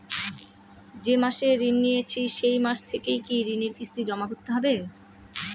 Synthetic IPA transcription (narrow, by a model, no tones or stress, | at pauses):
d͡ʑemaʃeɾinːijet͡ɕʰiʃejmaʃt̪ʰekejkiɾineɾkist̪id͡ʑɔmakot̪ːeɦɔbe